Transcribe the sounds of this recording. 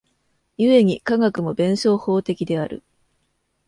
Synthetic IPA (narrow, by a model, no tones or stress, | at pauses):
jɯ̟e̞ɲ̟ikaŋakɯ̟mo̞bẽ̞ɰ̃ɕo̞ːho̞ːt̪e̞kʲid̪e̞aɾɯ̰